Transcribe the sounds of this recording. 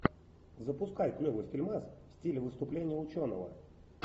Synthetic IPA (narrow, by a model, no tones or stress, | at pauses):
zəpʊskajklʲobəxfʲɪlʲmasfsʲtʲilʲɪvɨst̪ʊplʲenʲɪjəʊt͡ɕonːə̰və̰